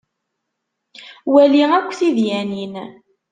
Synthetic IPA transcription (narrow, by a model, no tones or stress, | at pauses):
wæliækʷːθiðjænin